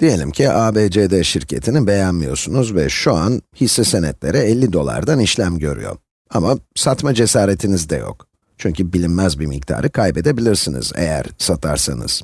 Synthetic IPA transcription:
d̪̥ije̞lʲimcʰiʔaːbeːd͡ʒed̪ɛʃiɾcʰe̞t̪ʰinibe̞jænmijo̞̰ɾsunuzvɛʃuanhisːɛsenɛt̪lʲe̞ɾɛɛlʲːid̪o̞lˠa̰ɾd̪aniʃlʲæmɟøɾy̰jo̞̰ | amasat̪mad͡ʒe̞saːɾe̞t̪ʰinizd̪ɛ̰jo̞̰k | t͡ʃʰyɲcybilʲimːæzbimic̚t̪ʰa̰ːɾʔɯkʰajpe̞d̪e̞bilʲiɾsinḭz̥ḛjæ̰ɾsat̪ʰa̰ɾsa̰nɯ̰z̥

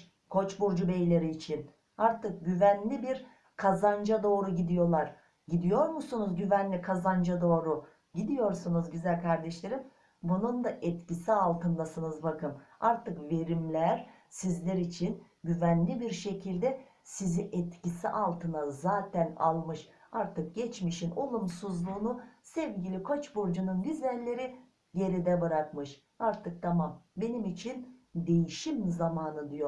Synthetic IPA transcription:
kʰo̞t͡ʃbuɾd͡ʒubejlʲe̞ɾiːt͡ʃʰin | aɾt̪ʰɯk̚ɟyvænlʲibiɾ | kʰazand͡ʒad̪o̞ːɾuɟid̪ijo̞lˠaɾ̥ | ɟid̪ijo̞ɾmusunuzɟyvænlʲikʰazand͡ʒad̪o̞ːɾu | ɟid̪ijo̞ɾsunuzɟyzælʲkʰaɾd̪ɛʃlʲe̞ɾim | bunund̪aʔɛt̪cisialˠt̪ɯnd̪asɯnɯzbakɯmaɾt̪ʰɯkve̞ɾimlʲæɾ | sizlʲɛɾit͡ʃʰin | ɟyvænlʲibiɾʃe̞cʰilʲd̪ɛ | siziʔɛt̪cisiʔalˠt̪ʰɯnazaːt̪ʰɛna̰lˠmɯʃ | aɾt̪ʰɯk̚ɟɛt͡ʃmiʃino̞lˠumsuzlˠuːnusɛvɟilʲikʰot͡ʃboɾd͡ʒununɟyzælʲːe̞ɾi | ɟe̞ɾid̪ɛbɯɾakmɯʃ | aɾt̪ʰɯk̚t̪ʰamambe̞nimit͡ʃʰind̪e̞jiʃimzamaːnɯd̪ɯjo

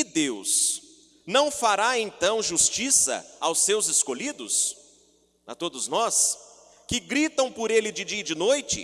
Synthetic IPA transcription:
ɪd̪ews | nɐ̃w̃faɾaẽnt̪ɐ̃w̃ʒust͡ʃisɐ̰awsewzɪskolid̪ʊs | ɐ̰t̪od̪ʊznɔs | kɪɡɾit̪ɐ̃w̃pʊɾelɪd͡ʒɪd͡ʒiɐd͡ʒɪnojt͡ʃɪ̰

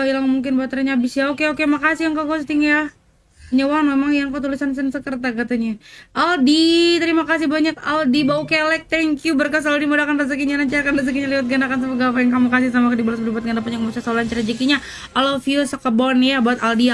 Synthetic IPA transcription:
ilaŋmuŋkɪnbaat̪əɾiɲabisjaokeokemakasihaŋkaɡost̪ɪŋja | ɲəwanmemaŋjaŋkət̪ulisansənsəkərt̪̬akat̪aɲaʔaldit̪əɾimakas̬ihbaɲakaldibaokelɛk̚t̪ɛŋkjubərkas̬aldimodakanrəs̬əkiɲanaɲt͡ʃaakanrəs̬əkiɲaliwat̪̚ɡandakans̬əpəɡafaiŋkamukas̬ihsamakədibalasədibat̪ɡandapanjaŋmusasaulaɲt͡ʃaɾad͡ʒikiɲa | alofisəkəbɔnjabaat̪aldia

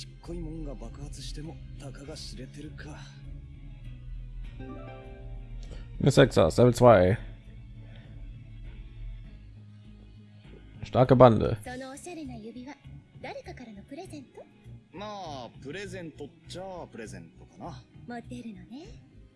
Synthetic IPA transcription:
ɕi̥kʰːoimõ̞ŋɡabakɯ̟̥hat͡sɨ̥ɕi̥t̪e̞mo̞ | t̪akaɡaɕiɾe̞t̪e̞ɾɯ̟kʰa | nḛsɛksa̰sɛblt͡sv̥aɪ | ʃtaɐkəbandə̰so̞no̞ːɕaɾe̞najɯ̟bʲiβad̪aɾe̞kakaɾano̞pɯ̟ɾe̞zẽ̞nt̪o | maːpɯ̟ɾe̞zẽ̞nt̪o̞t͡ɕapɯ̟ɾe̞zẽ̞̰nt̪o̞kanamot̪ːe̞ɾɯ̟none

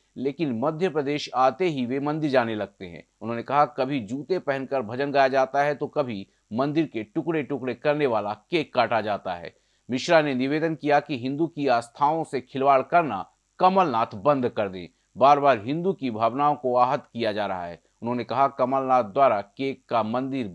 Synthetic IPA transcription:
leːkɪnmɐd̪ʱjəpɾəd̪eːʃaːt̪eɦiʋemɐ̃nd̪ɪɾd͡ʒaːnelɐɡ̚t̪eɦɛ̰̃ | ʊnɦõːnekɐɦakɐbʱid͡ʒuːt̪epɛɦənkəɾbʱɐd͡ʒənɡaːjad͡ʒaːt̪aɦɛt̪okɐbʱi | mɐ̃nd̪ɪɾkeʈʊkɽeʈʊkɽekɐɾneʋaːlakeːkːaːʈad͡ʒaːt̪a̰ɦɛ̰ː | mɪʃɾanenɪʋeːd̪ənkijakiɦɪ̃nd̪ukiaːst̪ʰaːõsekʰɪlʋaːɭkɐɾna̰ | kɐməlnaːt̪ʰbɐ̃nd̪ʱkɐɾd̪ḛ̃ː | baːɾbaːɾɦɪ̃nd̪ukibʱaːʋnaːõkoaːɦət̪kijad͡ʒaːɾɐɦa̰ɦɛ̰ː | ʊnɦõːnekɐɦakɐməlnaːt̪̚ʰd̪waːɾakeːkːamɐ̃nd̪ɪɾ

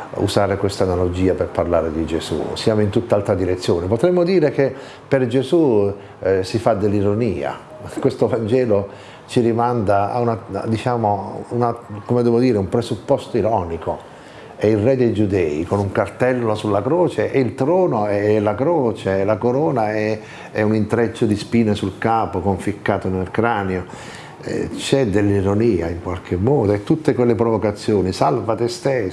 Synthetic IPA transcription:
ṵsaːɾekwest̪analod͡ʒiːaperparlaːɾed̪id͡ʒesṵsjaːmoint̪ut̪ːaalt̪ɾad̪iɾet̪sːjoːnepot̪ɾɛmːod̪iːɾek̟e | perd͡ʒezu | sifad̪elːiɾoniːa̰ | kwest̪ovand͡ʒɛːlo | t͡ʃiɾimand̪aa̰unad̪it͡ʃaːmounakomed̪ɛːvod̪iːɾeumpɾesupːɔst̪oiɾɔːniko | ɛilrɛd̪ejd͡ʒud̪ɛːikonuŋkart̪ɛlːosulːakɾɔːt͡ʃeʔeilt̪ɾɔːnoɛlakɾoːt͡ʃelakoɾɔːnaɛ | ɛunint̪ɾɛt͡ʃːod̪ispiːnesulkaːpokoɱfikːaːt̪onelkɾaːneo | ɛ̰t͡ʃɛd̪elːiɾoniːa̰iŋkwalk̟ʰemːɔːd̪oɛt̪ːut̪ːekwelːepɾovokat̪sːjoːnisalvat̪est̪e

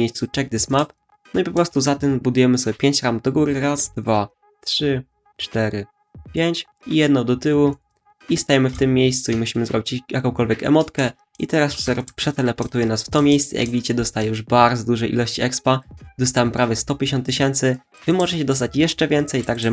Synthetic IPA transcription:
ejst̪sut͡ʂɛɡ̚d̪ɘsmap | nɔipɔpɾɔst̪uzat̪ɛmbud̪ujɛmɘsɔbʲjɛpʲjeɲt͡ɕɾamd̪ɔɡuɾɘɾazd̪̥va | t̪ʂɘ | t͡ʂt̪ɛɾɘ | pʲjeɲt͡ɕ | ijɛd̪nɔd̪ɔt̪ɘwu | ist̪ajɛmɘft̪ɘmːjejst̪suimuɕimɘzɾɔbʲit͡ɕjakɔ̃w̃kɔlvʲjɛkɛ̰mɔt̪kɛ | it̪ɛɾaspʂɛt̪ɛlɛpɔɾt̪ujɛnasft̪ɔmʲjejst̪sɛ̰jʔa̰ɡvʲit͡ɕɛd̪ɔst̪ajɛjuʐbaɾd̪zɔd̪uʐɛjʔḭlɔɕt͡ɕiɛkspad̪ɔst̪amɘpɾavʲjɛst̪ɔpʲjeɕɔnt̪ːɨɕɛnt̪sɘ | vɘmɔʐɛt͡ɕɛd̪ɔs̬t̪at͡ɕjɛʂt͡ʂɛvʲjɛnt̪sɛjt̪aɡʐɛ

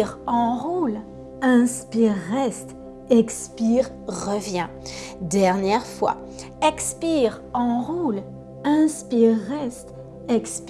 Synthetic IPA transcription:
ʁɑ̃ʁul | ɛ̃spiʁɛst̪ | ɛkspiʁ | ʁəvjɛ̃d̪ɛʁnjɛʁfwa̰ | ɛkspiʁ | ɑ̃ʁul | ɛ̃spiɛst̪ | ɛksp

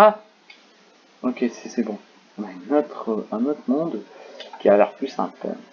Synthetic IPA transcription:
a | okʲesɛ̥sɛbɔ̃ | ɔ̃naynɔt̪χəʔɛ̃not̪χmɔ̃d̪kʲialɛʁplysɛ̰̃t̪ɛ̰

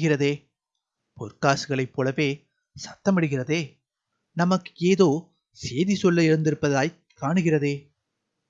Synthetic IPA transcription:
ɣɪrɐðeː | pɔɾkaːsɯɣɐɭɐɪpːoːlɐʋeː | sɐt̪ːɐmɐɽɯɣɪrɐðeː | nɐmɐkːeːðoː | seːðisɔlːɐɪɾɯnd̪ɪɾɯpːɐðaːj | kːaːɳɯɣɪrɐðeː

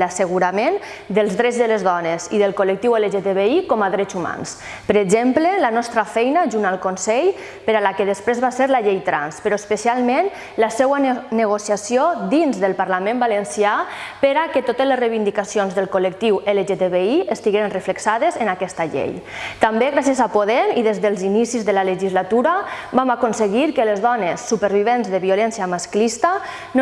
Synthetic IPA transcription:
lasəɣuɾamen | d̪əlˠzðɾɛd͡zzðəlezðɔneziðəlˠkolək̚t̪iweleʒet̪eβeikɔmaðɾɛzuma̰ns | pəɾeɡʒemplelanɔst̪ɾafɛjnaʒunalˠkonsɛʎ | pəɾalakeðəspɾezβaseɾlaʎejt̪ɾa̰nspəɾoespəsialˠmẽn | lasɛwanəɣ̞osiasijod̪inzðəlˠpaɾlamẽmbalənsiapeɾaket̪ot̪əzlezrejβind̪ikasionzðəlˠkolək̚t̪iweleʒet̪eβeiest̪iɣeɾənrəfləksaðezenakɛst̪aʎḛj | t̪ambeɣɾasjəzapoðemiðezðəlˠzinisizðəlaləʒizlat̪uɾabamakonsəɣ̞iɾkəlezðɔnesːupəɾβiβ̞enzðəβiolɛnsiamasklist̪a | n

